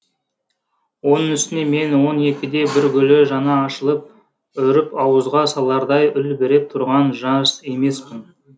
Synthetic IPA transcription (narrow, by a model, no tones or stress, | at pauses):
wo̞nəŋʏst̪ɪne̞me̞nwo̞ne̞kʲɪd̪e̞bɪɾɡʲɵleʒɑnɑːʃəlˠəp̚ | ʏɾɪpɑwəzʁɑsɑlˠɑɾd̪ɑjʏlbeɾe̞p̚t̪ʰʊɾʁɑnʒɑse̞me̞spɪn